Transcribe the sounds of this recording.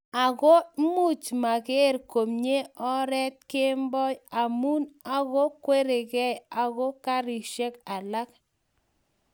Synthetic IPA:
a˨ɣo˦mu˦t͡ʃma˨ɣe˦rko˨mɲe˦ɔ˦ɾɛ˦t̚ke˦mbɔ˦ja˨mu˦na˦ɣo˦kwe˦ɾe˨ɣɛ˦ja˨ɣo˦ka˦ɾi˨ʃe˦ka˨la˦k̚

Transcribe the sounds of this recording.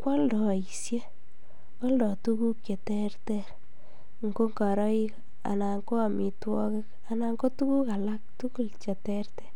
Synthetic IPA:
kwa˦ldɔ˨i˨sje˦ | wɔ˦ldɔ˨tu˦ku˦kje˨tɛ˦rtɛ˦ɾ | ŋɡo˦ŋka˨ɾɔ˦i˦k | a̰˨na˨ŋko˦a˨mi˨twɔ˦kɪ˦k | a˨na˨ŋɡo˦tu˦ku˦ka˨la˦k̚tu˦ku˦lt͡ʃe˨tɛ˦rtɛ̥˦

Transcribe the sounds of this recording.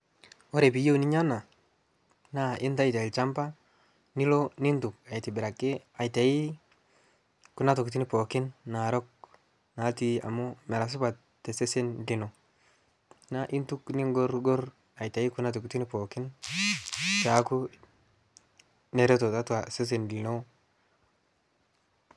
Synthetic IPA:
wo˦ɾe˨bi˨jo˦u˦ni˦ɲa˦na˨ | na˦ʔɪ˦nta˦ji˨te˨t͡ʃa˦mpa˦ | ni˦lo˦ni˦ntu˨ka˨jti˨bɪ˨ɾa˨kːɪ˦a˨ta˨ji˦ | ku˦na˦tu˨kt̬i˦ni˦po˨kɪ˦nːa˨ɾo˦k̚ | na˨˦ti˦a̰˨mu˦me˨ɾa˨s̬u˦ba˨t | tːe˨se˦se˦nli˨no˨ | na˦ʔi˦ntu˦kni˦ŋɡo˦ɾɡo˦ɾ | a˨jta˨ji˦ku˦na˦t̬u˨kti˦ni˦po˨ki˦n | t͡ʃa˨˦ku˦ | ne˨ɾe˦to˨ta˦ta˨se˦s̬e˨nli˨no˦

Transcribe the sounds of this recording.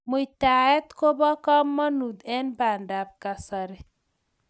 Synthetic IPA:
mu˨jt̪a˨ɛ˦t̪ko˦bɔ˦kɔ˦mːɔ˦nu˨d̪ɛ˦nba˨ndab̚kasaɾe

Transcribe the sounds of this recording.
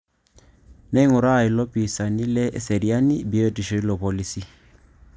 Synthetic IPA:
nɛ˦i˦ŋʊ˨ɾa˦˨ɪ˨lɔ˦pʼi˨sa˨ni˦lɛ˦ʔsɛ˨ɾi˨a˦ni˦bi˨e˦tʼi˨ʃɔ˨˦i˦lɔ˨pɔ˨li˦si˦

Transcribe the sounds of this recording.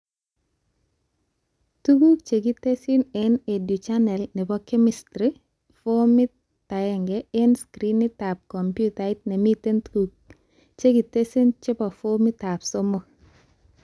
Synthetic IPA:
tu˦ɡu˦k̚t͡ʃe˨ɡi˦te˦si˦nene˨du˨t͡ʃanɛ˨lnɛ˨bɔ˦kːe˦mɪstɾi˦ | fo˦mɪ˦ | ta˨jɛŋɡee˦nskɾi˦ni˦ta˨p̚kɔ˨mpjutait̚ne˨mite˦ntɡuk̚ | t͡ʃe˦ɡi˨te˦si˦nt͡ʃɛ˦pɔ˨fo˦mi˦ta˨pso˦mo˦

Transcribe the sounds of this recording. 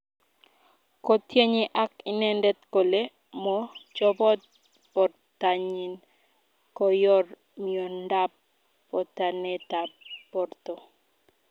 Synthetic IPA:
kɔ˦t̪je˦ɲɪ˦ʔa˦kɪ˦nɛ˦ndɛ˦t̪ko˨le˦ | mɔ˦d͡ʒɔ˦bɔ˦t̪̚ | pɔ˨r | tːa˨ɲi˨n | kɔ˨jɔ˦r | mio˨nda˦pː | ɔ˨t̪a˨nɛ˦t̪a˨ppɔ˨rt̪o˨

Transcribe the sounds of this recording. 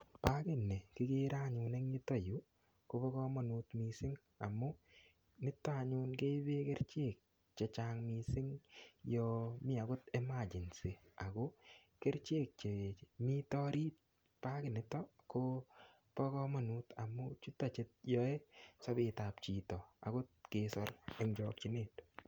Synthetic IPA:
pa˦kɪ˨nːɛ˨kɪ˦ke˦ɾaɲʊ˨ne˦ŋɲɪ˦tɔ˦ju˦ | ko˦pɔ˦kɔ˦mɔ˨nu˨tmi˨sɪ˦ŋ | a˨mːʊ˦ | nɪ˦tːa˦a˨ɲʊ˦nke˦be˦kɛ˦ɾt͡ʃe˦˨k̚ | t͡ʃe˨t͡ʃaŋmi˨sɪ˦ŋjɔmɪ˦a˨ɡʊ˦tɛ˦ma˨d͡ʒɪ˨nsi˨a˨ko˦ | ke˦ɾt͡ʃe˦k̚t͡ʃe˨mi˦tɔ˦ɾiː˦t̚ | pa˦kɪ˨nɪ˨tːɔ˦kʊ | pɔ˦kɔ˦mɔ˨nu˦ta˨mːʊt͡ʃu˦tːa˨t͡ʃt̚jɔ˦e˦sɔ˦bɪ˨ta˨pt͡ʃi˨tɔ˨a̰˨ɡʊ˦t̚kesɔ˦ɾe˦ŋd͡ʒɔk̚t͡ʃi˨ne˨t

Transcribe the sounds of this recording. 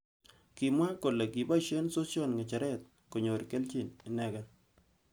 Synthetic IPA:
ki˨mwa˦ko˨le˨ki˨ba˦ʃe˦nso˦sjɔ˦˨nŋɛ˨t͡ʃa˨ɾɛ˦t̪̚ | ko˨ɲo˨ɾke˦lt͡ʃi˦˨nɪ˨nɛ˦ɡɛ˨n

